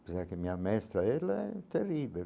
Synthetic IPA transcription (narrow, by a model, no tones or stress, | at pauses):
pisakemiːamɛst̪ɾaɛlːaɛt̪ːerːiːbi